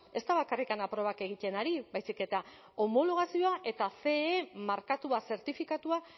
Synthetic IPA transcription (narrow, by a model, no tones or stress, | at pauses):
e̞st̪aβakarikanapɾo̞β̞ake̞ɣ̞it̪e̞naɾibajsike̞t̪a | o̞mo̞lo̞ɣ̞asio̞aʔe̞t̪afe̞ːmaɾkat̪uase̞ɾt̪ifikat̪ua